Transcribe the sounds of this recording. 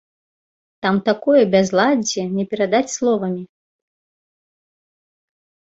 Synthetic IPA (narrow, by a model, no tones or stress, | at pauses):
t̪amt̪akɔjɛbʲazlˠad͡zʲɛnʲɛpʲɛɾad̪at͡sʲslˠɔvɐmʲi